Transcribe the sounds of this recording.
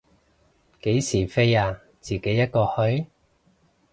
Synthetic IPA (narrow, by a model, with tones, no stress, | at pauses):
ke˨˥jsiː˨˩fe˥jaː˧ | t͡siː˨˩ke˨˥jːɐ˥t̚kɔː˧hɵ˥ɥ